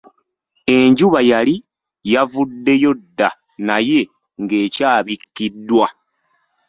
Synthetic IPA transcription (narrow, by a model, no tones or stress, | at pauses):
e̞ɲɟuβajali | javudːe̞jo̞dːa | naje̞ | ŋɡe̞ːcaːβikːidːwa